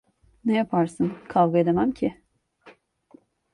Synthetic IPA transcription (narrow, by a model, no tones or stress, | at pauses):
nɛjapʰaɾsɯnkʰavɡaed̪emæmcʰɪ